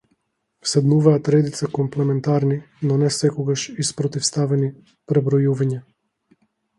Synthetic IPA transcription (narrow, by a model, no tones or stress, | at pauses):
sɛd̪nuvaːt̪ɾɛd̪it̪sakɔmplɛmɛnt̪aɾni | nɔnɛsɛkɔɡaʃispɾɔt̪ifst̪avɛni | pɾɛbɾɔjuvaɲa